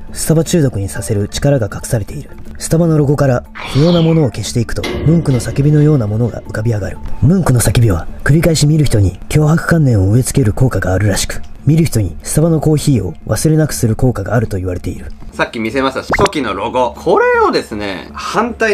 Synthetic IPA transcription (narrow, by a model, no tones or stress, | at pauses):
sɨ̥t̪abat͡ɕɨːd̪o̞kɯ̟ɲ̟isase̞ɾɯ̟t͡ɕi̥kaɾaɡakakɯ̟̥saɾe̞t̪e̞iɾɯ̟sɨ̥t̪abano̞ɾo̞ɡo̞kaɾa | çijo̞ːnamo̞no̞ːke̞ɕi̥t̪e̞ikɯ̟̥t̪o̞̰mɯ̟̃ŋkɯ̟no̞sakʲibʲino̞jo̞ːnamo̞no̞ɡa̰ʔɯ̟kabʲiaɡaɾɯ̟mɯ̟̃ŋkɯ̟no̞sakʲibʲiβakɯ̟ɾʲikaiɕimʲiɾɯ̟çi̥t̪oɲ̟ikʲo̞ːɦakɯ̟̥kãnːẽ̞ɰ̃o̞ɯ̟e̞t͡sɨ̥ke̞ɾɯ̟ko̞ːkaɡaːɾɯ̟ɾaɕi̥kɯ̟̥mʲiɾɯ̟çi̥t̪o̞ɲ̟isɨ̥t̪abano̞ko̞ːçiːo̞̰βasɨɾe̞nakɯ̟̥sɨɾɯ̟ko̞ːkaɡa̰ːɾɯ̟t̪o̞iβaɾe̞t̪e̞iɾɯ̟sakʲːimʲise̞masɨasokʲinoɾo̞ɡokʰoɾe̞od̪e̞sɨne̞̰hãnt̪ai